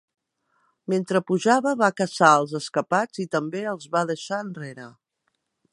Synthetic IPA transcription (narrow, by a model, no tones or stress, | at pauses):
ment̪ɾəpuʒaβəβakəsaəlˠzəskəpad͡zit̪əmbeəlˠzβaðəʃaənreɾə